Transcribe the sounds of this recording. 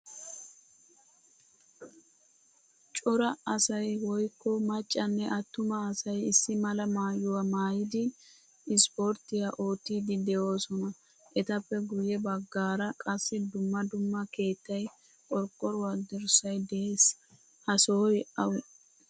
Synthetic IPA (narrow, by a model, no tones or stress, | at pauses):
t͡ʃʼɔɾɐɐsɐjwɔjkːɔmɐt͡ʃʼːɐnːɛʔɐt̪ːʊmɐːsɐjɪsːɪmɐlɐmaːjʊwɐmaːjɪd̪ɪ | ɪspoɾt̪ːɪjaʔo̞ːt̪ːiːd̪ɪd̪ɛjo̞ːsɔnɐ | ʔɛt̪ɐpːɛɡʊjɛbɐɡːaːɾɐkʼɐsːɪd̪ʊmːɐd̪ʊmːɐke̞ːt̪ːɐj | kʼɔɾkʼːɔɾwɐd̪ɪɾsɐjd̪ɛeːs | hɐsoːjɐw